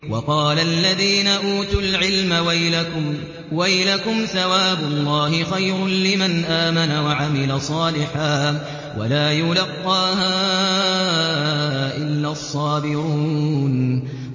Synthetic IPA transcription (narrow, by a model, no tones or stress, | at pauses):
wɑqɑːlaʔlːaðiːnaʔuːt̪ʊlʕɪlma | wajlakʊmθawaːbʊlˤːɑːhɪxajɾʊnlɪmanʔaːmanawaʕamɪlasˤɑːlɪħaː | wa̰laːjʊlɑqːɑːɦa | ʔɪlːaːɑsˤːɑːbɪɾuːn